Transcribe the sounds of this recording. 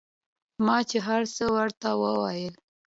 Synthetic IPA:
mɑt͡ʃeɦaɾsəwaɾt̪awəwɑjəl

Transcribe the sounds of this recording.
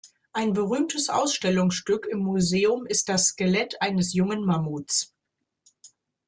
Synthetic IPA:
ʔaɪnbəʁyːmtʰəsʔa̰ʊsʃtɛlʊŋsʃtʏkɪmːuzeːʊmɪst̚d̥asːkelɛtʔaɪnəsjʊŋənmamuːt͡s

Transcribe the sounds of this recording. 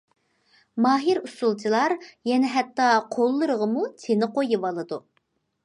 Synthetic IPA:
mɑːɦiɾusulˠt͡ʃʰilˠɑɾjɛnɛɦɛt̪ːɑqʰolˠːɨɾəʁəmut̪ʰenɪqojɨwɑlˠɨd̪u

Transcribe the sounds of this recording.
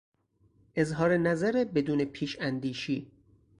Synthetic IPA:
ʔe̞zɦɒːɾenæzæɾebe̞d̪uːnepʰiːʃænd̪iːʃiː

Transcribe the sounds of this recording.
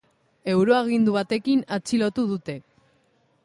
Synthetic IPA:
e̞wɾo̞aɣ̞ind̪uβ̞at̪e̞kinat͡silo̞t̪uð̞ut̪e̞

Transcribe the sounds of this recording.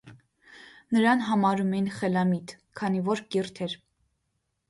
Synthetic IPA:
nəɾɑnɦɑmɑɾumɛjinχɛlɑmit̪ | kʰɑnivɔɾkirt̪ʰɛɾ

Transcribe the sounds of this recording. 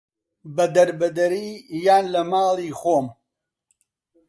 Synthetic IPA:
bɐd̪ɐɾbɐd̪ɐɾiːjaːnlɐmaːlˠiːxoːm

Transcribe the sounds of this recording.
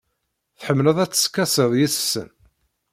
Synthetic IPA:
θħəmːləðˤæt͡sːə̥skːæsəðjissə̰n

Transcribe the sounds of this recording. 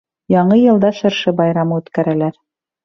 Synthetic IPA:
jɑɴɤjɤ̆lˠd̪ɑʃɤ̆ɾʃɤbɑjɾɑmɤʉt̪kæɾælæɾ

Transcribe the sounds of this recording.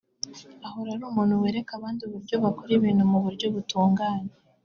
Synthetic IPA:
ahoɾaɾuːmuːn̤uweːɾekaβaːndiuβuɾɟo̞βakoɾiβiːnhumuβuɾɟo̞βutuːŋɡaːɲe

